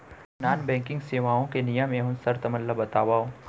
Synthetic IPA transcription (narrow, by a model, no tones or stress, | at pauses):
naːnbɛ̃ːŋkɪ̃ŋɡseːʋaːõkenijəmẽɦʊ̃nsɐɾt̪ɐməlːabɐt̪aːʋaːõ